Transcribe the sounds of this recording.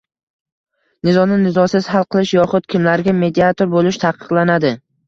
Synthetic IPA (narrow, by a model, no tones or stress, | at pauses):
nɪzɒnɪnɪzɒsɪz̥halˠqɨlˠɪʃjɒχʊt̪̚kʲʰɪmlaɾɡʲame̞d̪iat̪ʰoɾbolɪʃt̪ʰɑqɨ̥qlˠanad̪ɪ